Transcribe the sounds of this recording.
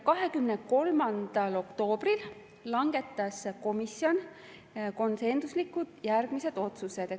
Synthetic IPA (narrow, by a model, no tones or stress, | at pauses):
kɑɦe̞kymne̞ko̞lmɑnd̪̥ɑlo̞kt̪o̞ːb̥ril | lɑŋɡ̥e̞t̪ːˑɑsko̞misio̞n | ko̞nse̞nsuslikːud̪̥jærɡ̥mise̞d̪̥o̞t̪suse̞d̪̥